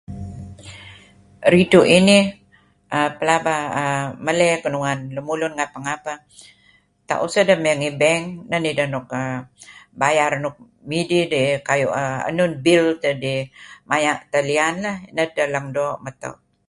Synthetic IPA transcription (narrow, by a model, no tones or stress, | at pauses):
ɾituʔini | əpəlabaəməlɛkənuŋanləmulunŋapaŋapa | t̪a̰ʔusədəməaŋibɛŋnənidəhnukə | bajaɾnuk̚ | mididikajuʔəə̰nunbilt̪ədimajaʔt̪əlianlahnədələŋdoʔmət̪a̰w